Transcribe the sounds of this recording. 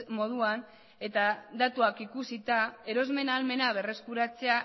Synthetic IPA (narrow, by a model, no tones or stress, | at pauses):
mo̞ð̞uan | e̞t̪ad̪at̪uakikusit̪ae̞ɾo̞zme̞nalme̞naβ̞e̞re̞skuɾat͡se̞a